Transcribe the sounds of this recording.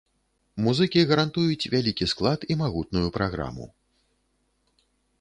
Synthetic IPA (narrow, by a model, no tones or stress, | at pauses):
muzɨkʲiɣɐɾant̪ujut͡sʲvʲalʲikʲisklˠat̪imaɣut̪̚nujupɾaɣɾa̰mṵ